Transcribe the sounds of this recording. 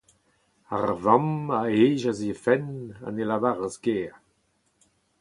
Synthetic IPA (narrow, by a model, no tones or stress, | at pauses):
a̰ʁvamaeːʒazifɛna̰nelavaʁəsɡeː